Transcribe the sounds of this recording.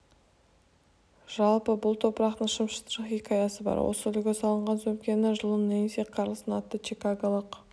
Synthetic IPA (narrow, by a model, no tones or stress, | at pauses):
ʒ̥ɑlˠpəbʊlˠt̪ʰo̞pəɾɑqt̪əɴʃəmʃət̪ɾɑχikʰɑjɑsəbɑ̰ɾwo̰səɪʏlɡʲesɑlˠəɴʁɑnzɵmkʲenɪʒəlˠənenseqʰɑɾlˠəsənɑt̪ːət͡ʃikaɡolˠəq